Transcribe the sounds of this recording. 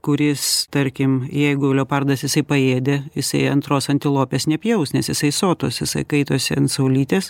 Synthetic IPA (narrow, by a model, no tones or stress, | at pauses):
kʊɾʲɪst̪ɐɾʲkʲɪmjɛɪɡʊlʲoːpɐrd̪ɐsjɪsɐɪpɐeːd̪ʲejɪsɐɪɐnt̪ɾoːsɐnʲt̪ʲɪlˠoːpʲeːsnʲɛpʲjɛʊsnʲɛsjɪsɐɪsoːt̪o̰ːsjɪsɐɪkɐɪt̪oːsʲɪɐntsɐʊlʲiːt̪ʲeːs